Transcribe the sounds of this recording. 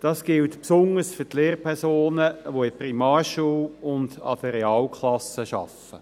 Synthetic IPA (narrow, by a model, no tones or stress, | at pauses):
d̥ɑːsɡ̥ɪltpsʊnəsfʏtleːɾpʰɛɾsoːnəʋoɪprimɑːrʃuːlʊnd̪ɑ̰d̥əɾeɑːlkʰχlɑsəʃɑ̰f | ə̰